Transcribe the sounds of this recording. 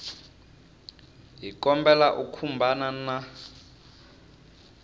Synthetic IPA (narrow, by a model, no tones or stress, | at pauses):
ɦikɔmbɛlaʔukʰumbʱanana